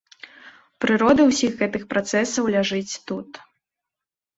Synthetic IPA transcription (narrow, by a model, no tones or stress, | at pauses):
pɾɨɾɔd̪ɨwsʲixɣɛt̪ɨxpɾʔat̪sɛsɐwlʲaʐɨt͡sʲt̪ut̪